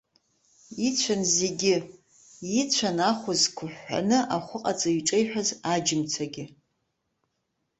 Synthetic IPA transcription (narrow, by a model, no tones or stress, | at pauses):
it͡ɕʷʰanzeɡʲɪ | it͡ɕʷʰanaχʷʊzkʷʰʊħːa̰nɨʔaχʷʊqʼat͡sʼaɥʈ͡ʂʼejħʷᶣazad͡ʒɪmt͡sʰaɡʲɪ